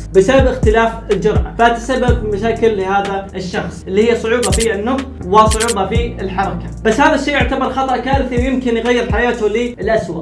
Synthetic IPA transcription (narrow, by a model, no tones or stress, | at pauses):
bɪsababʔɪxt̪ɪlaːfɪld͡ʒʊɾˤʕa̰faʔat̪ḁsabːabimaʃaːkɪlːɪhaːðaʔɪʃːɑxsˤʔɪlːiːhɪjːasˤʊʕuːbɑfiɪnːʊxt̪ | wɪsˤʊʕuːbɑfiɪlħɑɾˤɑkab̥asːhaːðaʃːiːjʔʊʕt̪abɑɾˤxɑt̪ˤɑʔkaːɾɪθiwjɪmkɪnjɣajːɪɾħajaːt̪ʊlɪɪlʔaswa̰